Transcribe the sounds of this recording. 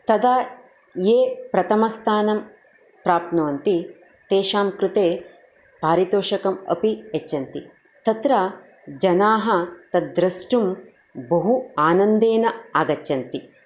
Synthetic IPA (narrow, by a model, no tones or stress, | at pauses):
t̪ɐd̪aː | jeːpɾɐt̪ʰɐmɐst̪ʰaːnɐm | pɾaːp̚t̪nɐʋɐnt̪i | t̪eːʃaːmkɾut̪eː | paːɾit̪oːʃɐkɐmɐ̰piet͡ʃːɐnt̪i | t̪ɐt̪ɾɐ | d͡ʒɐnaːɦɐt̪ɐd̪ɾɐsʈum | bɐɦuaːnɐnd̪eːnɐaːɡɐt͡ʃːɐnt̪i